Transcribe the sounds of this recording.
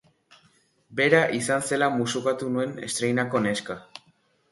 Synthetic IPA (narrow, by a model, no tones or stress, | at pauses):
be̞ɾaʔisanse̞lamusukat̪unue̞ne̞̰st̪ɾe̞jnako̞ne̞ska